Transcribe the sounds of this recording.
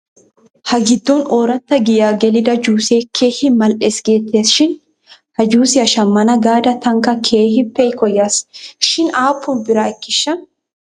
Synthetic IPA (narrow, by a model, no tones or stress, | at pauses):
hɐɡɪd̪ːɔnoːɾɐt̪ːɐɡɪjaːɡɛlɪd̪ɐd͡ʒuːseːkʰeːhɪmɐlʔeːsɡe̞ːt̪ːe̞ːsʃɪn | hɐd͡ʒuːsɪɐʃɐmːɐnɐɡaːd̪ɐt̪ɐŋkɐkʰeːhɪpːɛjkɔjːaːsʃɪnaːpʰːʊnbɪɾaːɪkːɪʃːɐn